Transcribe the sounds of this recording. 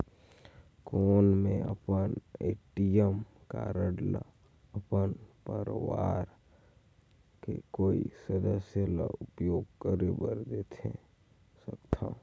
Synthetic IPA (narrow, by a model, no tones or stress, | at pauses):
koːnmẽə̰pəneːʈijəmka̰ɾəɖla̰ | əpənpəɾʋaːɾ | kḛkoːisəd̪əsjəla̰ʊpjoːɡkəɾebəɾd̪et̪ʰe | səkt̪ʰa